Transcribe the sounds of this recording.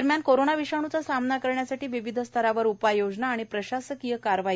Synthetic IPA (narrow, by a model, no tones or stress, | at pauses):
əɾmjankoɾonaʋiʂaɽ̃ut͡sasamnakəɾɳjasaʈiːʋiʋid̪ʱəst̪ʰəɾaʋəɾupajod͡znaːɽ̃ipɾəɕasəkijəkaɾʋaɦi